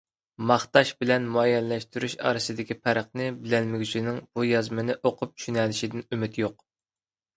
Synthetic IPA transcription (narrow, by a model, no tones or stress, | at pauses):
mɑχt̪ɑʃbɪlɛnmuɛjɛlːɛʃt̪yɾyʃɑ̰ːɾɨsɨd̪ɪkʲipʰæɾəχnɨbɪlɛnmɪɡʲyt͡ʃʰinɪŋb̥ujɑzmɨnɪʔoqʰʊp̚t͡ʃʰy̥ʃynɛlɪʃid̪ɪnymyt̪joq̚